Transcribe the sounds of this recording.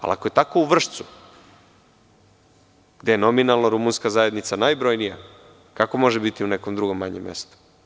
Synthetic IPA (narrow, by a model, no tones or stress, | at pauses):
a̰la̰koje̞t̪ako̞uʋr̩ʃt̪su | ɡ̥d̪ejenominalˠnoɾumunskazaje̞d̪nit̪sanajbɾo̞jnija̰ | kako̞mo̞ʒebit̪iunekomd̪ɾuɡo̞mːaɲemːḛst̪u̥